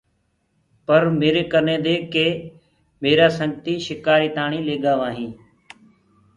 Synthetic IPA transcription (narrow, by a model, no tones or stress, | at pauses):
pəɾmeːɾeːkənẽːd̪eːkeː | meːɾaːsəŋɡt̪iːʃɪkaːɾiːt̪aːɳĩːleːɡaːʋaːɦĩː